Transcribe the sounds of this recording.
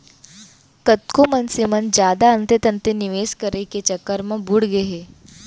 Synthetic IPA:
kət̪̚komɐnsimɐnd͡ʒjaːd̪aənt̪et̪ənt̪eniʋeːskəɾeket͡ʃɐkːəɾmɐ̃buɽɡeɦe

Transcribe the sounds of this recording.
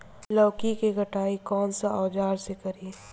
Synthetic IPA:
lɔːkikeɡʱɐʈaːikɔːnsaɔːd͡ʒaːɾsekɐɾiː

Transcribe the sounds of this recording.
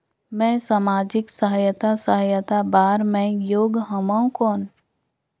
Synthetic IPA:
mɛ̃ːsaːmaːd͡ʒɪksəɦəjət̪asəɦəjət̪abaːɾmɛ̃joːɡɦəmãũkɔːn

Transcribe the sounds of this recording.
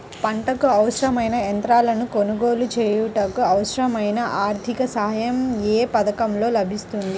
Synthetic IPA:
pɐɳʈɐkuɐwʂɾɐmɐjnɐent̪ɾaːlɐnuko̞nuɡo̞ːlut͡ʃeːjuʈɐkuɐwʂɾɐmɐjnɐʔaːɾt̪ʰikɐsɐɦɐjɐmeːpɐd̪ɐkɐmlo̞ːlɐbʱist̪und̪i

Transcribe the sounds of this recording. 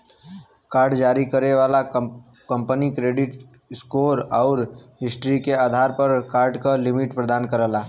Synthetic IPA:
kaːɾɖd͡ʒaːɾikəɾeʋala | kə̃mpənikɾeːɖɪʈ | skoɾaʊɾɦɪsʈɾikeaːd̪ʱaɾpəɾkaːɾɖkalɪmiʈpɾəd̪aːnkəɾəla

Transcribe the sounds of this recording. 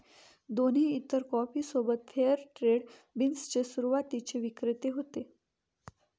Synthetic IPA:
d̪oneit̪ːəɾkɔfiːsobət̪fʰeəɾʈɾeɽbinst͡ɕesuɾuʋat̪it͡ɕeʋikɾət̪eɦot̪e

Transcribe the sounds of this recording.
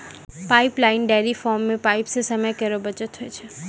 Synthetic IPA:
paiplaɪnɖaɾifɔmːẽpaipsesəməjkəɾobət͡ʃət̪ʰɦojt͡ʃʰe

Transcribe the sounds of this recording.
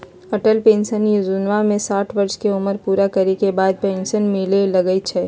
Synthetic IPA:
ɐʈəlpẽːnʃənjizʊnʋamẽsaːʈʰʋɐɾʃkeʊməɾpuːɾakɐɾekebaːd̪̚pẽːnʃənmɪlelɐɡəit͡ʃʰɛː

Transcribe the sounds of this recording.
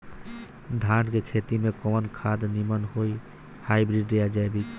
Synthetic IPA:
d̪ʱaɖkekʰet̪imekɔmənkʰad̪nimənɦoj | hajbɾiɖejad͡ʒajbi

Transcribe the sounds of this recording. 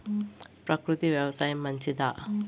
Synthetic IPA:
pɾɐkɾut̪ibjɐwsajmɐnt͡ʃid̪a

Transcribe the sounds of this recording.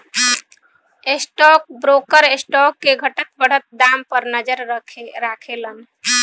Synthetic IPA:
esʈɔk̚bɾokəɾesʈɔkːeɡʱəʈət̪̚bəɽ̤ət̪̚d̪ampəɾnəd͡ʒəɾɾakʰelən

